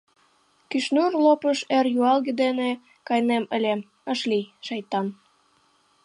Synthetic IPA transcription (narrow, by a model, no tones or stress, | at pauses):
kyʃnurlopəʃerjuɑlɣed̪ene | kɑjneməlʲem | əʃliʃɑjt̪ɑn